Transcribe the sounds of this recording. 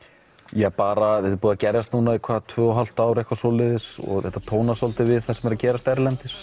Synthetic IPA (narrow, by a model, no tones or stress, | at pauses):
jɛpaːɾaɛt̪ʏɾpuːðacɛɾjast̪nuːnaikʰvaːðt̪ʰvœːɔɦal̥t̪aːwɾejhkvasɔlɪðɪsɔ̰ɣθɛht̪at̪ʰoːwnasɔlt̪ɪvɪðθɛsɛmɛɾacɛːɾast̪ɛɾlɛnt̪ɪs